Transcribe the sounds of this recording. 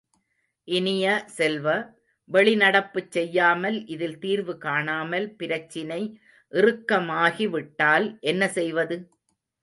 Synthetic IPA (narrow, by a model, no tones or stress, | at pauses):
ʔɪnɪjɐsɛlʋɐ | ʋɛɭɪnɐɽɐpːɯt͡ʃːɛjːaːmɐlʔɪðɪlt̪iːɾʋɯkaːɳaːmɐlpɪɾɐt͡ʃːɪnɐɪ | ʔɪrɯkːɐmaːɣiʋɪʈːaːlʔɛnːɐsɛjʋɐðɯ